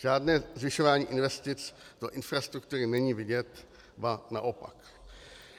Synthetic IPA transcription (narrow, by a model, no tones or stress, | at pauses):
ʒ̥aːdnɛːzvɪʃovaːɲiːʔɪnvɛst̪ɪt͡sd̥oʔɪnfɾast̪ɾukt̪uːɾɪnɛɲiːvɪɟɛt̪ | vana̰ʔopa̰k